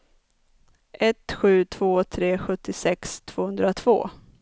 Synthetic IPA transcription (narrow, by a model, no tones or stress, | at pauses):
ʔɛt̪ɧʉ̟ːt̪ʰv̥oːt̪ʰɾeːɧɵt̪ʰːɪsɛkst̪ʰv̥oːhɵnd̪ɾat̪ʰv̥o̰ː